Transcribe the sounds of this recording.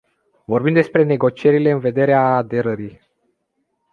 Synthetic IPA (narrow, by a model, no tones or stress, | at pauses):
vo̞rbimd̪espɾe̞ne̞ɡo̞t͡ʃie̞ɾile̞ɨnve̞d̪e̞ɾeaːd̪e̞ɾəɾij